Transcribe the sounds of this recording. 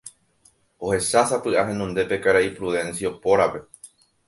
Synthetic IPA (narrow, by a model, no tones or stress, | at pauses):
o̞he̞ʃasapɨʔaɦẽ̞nũnd̪e̞pe̞kaɾaipɾuðẽ̞nsiaopo̞ɾape̞